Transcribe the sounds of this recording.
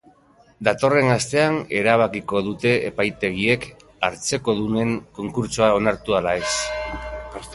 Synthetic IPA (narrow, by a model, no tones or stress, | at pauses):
d̪at̪o̞re̞nast̪e̞ane̞ɾaβ̞akiko̞ðut̪e̞ḛpajt̪e̞ɣ̞ie̞k | aɾt͡se̞ko̞ðune̞ŋko̞ŋkuɾt͡soao̞naɾt̪ualae̞s